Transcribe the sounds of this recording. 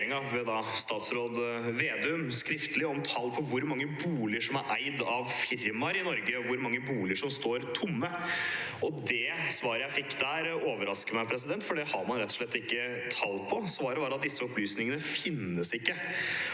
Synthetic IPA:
ɾɪŋɑʋɛd̪ɑst̪ɑːt̪sɾoːd̪ʋeːd̪ɛʉmskɾɪft̪əlɪɔmt̪ʰɑlːpʰɔʋʊɾmɑŋːəbuːlɪəʂɔmæɾʔæɪd̪ɑʋfɪɾmɑɾɪnɔɾɡəɔʋʊɾmɑŋːəbuːlɪəʂɔmst̪oːɾt̪ʰʊmːəʔɔd̪ɛsʋɑːɾəjæɪfɪkːd̪æːɾoːʋəɾɑskəɾmæɪpʰɾɛs̬ɪd̪ɛnt̪fɔɖɛhɑɾmɑnɾɛt̪ːɔ̥ʂɭɛt̪ːɪkːə | t̪ʰɑlːpʰɔsʋɑːɾəbɑːɾɑt̪̚d̪ɪsːəɔplyːsnɪŋənəfɪnːəsɪkːə

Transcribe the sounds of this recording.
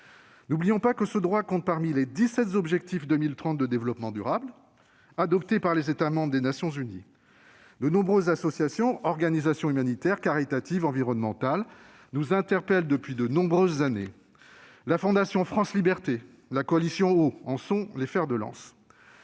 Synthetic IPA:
nublijɔ̃pakəsəd̪ʁwakɔ̃t̪̚paʁmiled̪isɛt̪zɔbʒɛk̚t̪ifd̪ømilt̪χɑ̃t̪̚d̪əd̪evlɔpmɑ̃d̪yʁabl | ad̪ɔpt̪epaʁlezet̪amɑ̃bʁəd̪enasjɔ̃zyni | d̪ənɔ̃bʁøzːasɔsjasjɔ̃ɔʁɡanizasjɔ̃ymanit̪ɛʁkaʁit̪at̪ivɑ̃viʁɔnmɑ̃t̪al | nuzɛ̃t̪ɛʁpɛld̪əpɥid̪ənɔ̃bʁøzːanḛ | lafɔ̃d̪asjɔ̃fχɑ̃slibɛʁt̪e | lakɔalisjɔ̃oɑ̃sɔ̃lefɛʁd̪əlɑ̰̃s

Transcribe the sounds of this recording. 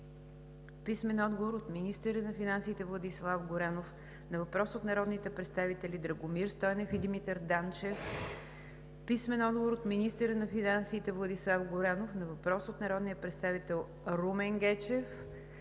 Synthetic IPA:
pismɛnɔd̪ɡovoɾot̪minist̪əɾənɐfinansiːt̪ɛvlˠɐd̪islˠafɡoɾanof | nɐvɐpɾɔsot̪nɐɾɔd̪nit̪ɛpɾɛt̪st̪avit̪ɛlid̪ɾəɡomiɾst̪ɔjnɛfid̪imit̪ɛɾd̪ant͡ʃɛf | pismɛnɔd̪ɡovoɾot̪minist̪əɾənɐfinansiːt̪ɛvlˠɐd̪islˠafɡoɾanofnɐvɐpɾɔsot̪nɐɾɔd̪nijəpɾɛt̪st̪avit̪ɛlˠ | ɾumɛŋɡɛt͡ʃɛf

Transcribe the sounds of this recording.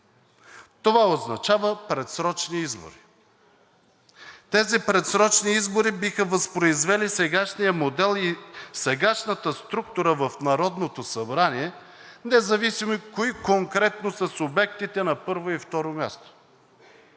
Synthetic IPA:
t̪ovaoznɐt͡ʃavəpɾɛt̪sɾɔt͡ʃniizbo̰ɾi | t̪ɛzipɾɛt̪sɾɔt͡ʃniizboɾibixəvəspɾoizvɛlisɛɡaʃnijəmod̪ɛlˠisɛɡaʃnət̪əst̪ɾuk̚t̪uɾəvəfnɐɾɔd̪not̪osɐbɾaniɛ | nɛzɐvisimoikoikoŋkɾɛt̪nosəsʊbɛkt̪it̪ɛnɐpɤɾvoift̪ɔɾomʲja̰st̪o̥

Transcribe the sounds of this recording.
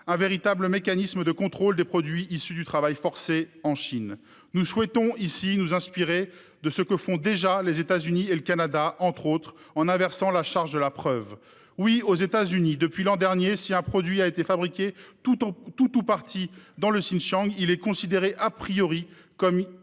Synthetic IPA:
ɛ̃veʁit̪abləmekanisməd̪əkɔ̃t̪χold̪epχɔd̪ɥiisyd̪yt̪χavajfɔʁseɑ̃ʃin | nuswɛt̪ɔ̃isinuzɛ̃spiʁe | d̪əsəkəfɔ̃d̪eʒalezet̪azynieləkanad̪aʔɑ̃t̪χot̪χ | ɑ̃nɛ̃vɛʁsɑ̃laʃaʁʒd̪əlapχœv | wiozet̪azynid̪əpɥilɑ̃d̪ɛʁnjesiɛ̃pχɔd̪ɥiaet̪efabʁikʲe | t̪ut̪upaʁt̪ʰid̪ɑ̃ləsinʃɑ̃ɡilɛkɔ̃sid̪eʁeʔapχijɔʁi | kɔm

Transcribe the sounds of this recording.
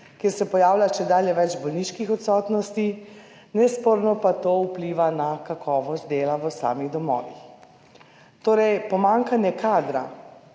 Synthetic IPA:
keɾsɛpɔjaːwlʲaʃɛd̪aːljɛʋɛd͡ʒbɔlniʃkixɔt̪sɔːt̪nɔst̪i | nɛspoɾnɔpat̪oːupliʋanakakʰɔːʋɔst̪̚d̪eːlaʋəsa̰ːmiɣd̪ɔmɔ̰ːʋḭx | t̪oːɾɛjpɔmaŋkanjɛkaːd̪ɾa̰

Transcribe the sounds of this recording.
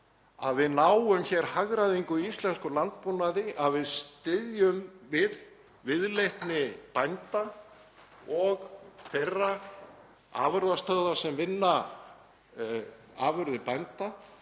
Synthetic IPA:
a̰ðvɪðnaːwʏmçɛɾ̥haɣɾaðɪiŋkʏist̪lɛnskʏlant̪̚pɔnaðɪʔaðvɪðst̪ɪðjʏmvɪð | vɪðlejht̪nɪpajnt̪a | ɔɣθejrːa | a̰ːvʏɾðast̪œɣðasɛmvɪnːa | aːvʏɾðɪpajnt̪a

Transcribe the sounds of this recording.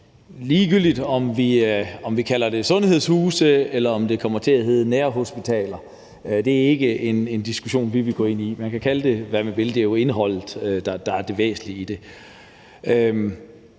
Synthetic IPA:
liːɡ̥yl̰d̥id̥ɒ̽mʋiɒ̽mʋikʰælɐd̥e̝sɔ̽nhe̝ð̞̰ˠshuːsəelɐɒ̽md̥e̝kʰɒ̽m̰ɐt͡sʰe̝æɦe̝ð̩ˠneːɐɦo̝sb̥it͡sʰɛ̰ːlɐ | d̥e̝æɐe̝ɡ̥əʔe̝ne̝nd̥isɡ̥uɕo̝̰ːnʋiʋiɡ̥ɔ̰ːe̝n̰imænkʰækʰæləd̥e̝ʋæɐmeb̥e̝ld̥eɐjoe̝nɦɒ̽l̰ð̩ˠød̥ɑ̈d̥ɑ̈æɐd̥e̝ʋḛːsn̩liid̥e̝ | øm

